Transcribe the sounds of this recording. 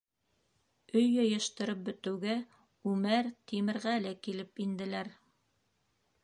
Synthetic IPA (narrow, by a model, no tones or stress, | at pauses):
ɵjːɤ̆jɤ̆ʃt̪ɤ̆ɾɤp̚bɵ̆t̪ɘ̆wɡæ | ʉmæɾt̪imɘ̆ɾʁælɘkilɘpind̪ɘ̆læɾ